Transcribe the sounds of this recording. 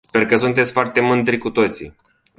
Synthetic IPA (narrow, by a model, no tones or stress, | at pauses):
sperkəsunt̪̬et̪sʲfoart̪e̞mɨnd̪ɾʲikut̪o̞t̪sḭ